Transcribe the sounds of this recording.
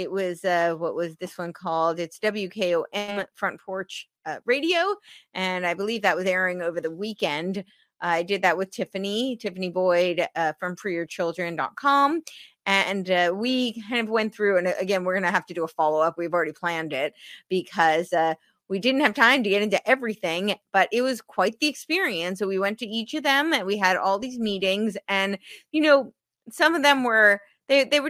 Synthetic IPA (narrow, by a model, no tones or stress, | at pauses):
ɪt̚wʌzʌwʌʔwʌzðɪswʌ̃nkʰɔlˠdɨtsd̥ʌbl̩ˠjʉkʰeɪoʊʔɛ̃mfɹʌ̃npʰɔɹt͡ʃ | ɹeɪɾioʊʔɨ̃naɪbəlivðɨt̚wʌzɛɹəɪ̃ŋoʊvə˞ðəwikɛ̃nd | ʔaɪdɨd̪̚ðɨt̚wɨð̥tʰɪfɨnitʰɪfɨnibɔɪdfɹʌ̃mpʰɹ̥iə˞t͡ʃʰɪlˠdɹɨ̃ndɑ̰t̚kʰɑ̃mʔɨ̃nwikʰãɪ̃ndʌvwɛ̃nθɹʉɨ̃nɨɡɛ̃nwɪɹɡʌ̃nɨɦæftɨdɨəfɑlˠoʊʌpwivl̩ˠɹɛɾipʰl̥æ̃ndɪt̚b̥ɨkʰʌzʌ | widɪdⁿn̩t̚hɨv̥tʰãɪ̃mtɨɡɛɾɪ̃ntʉʔɛvɹiθɪ̃ŋb̥ʌɾʔɪt̚wʌz̥kʰw̥aɪt̪̚ðiɨkspɪɹiɨ̃nsowiwɛ̃ntɨit͡ʃʌvðɨ̃mɨ̃nwiɨɾʔɔ̰lˠðizmiɾɪ̃ŋzɨ̃njɨnoʊ | sʌ̃mʌvðɨ̃mwə˞ | ðeɪðeɪwə˞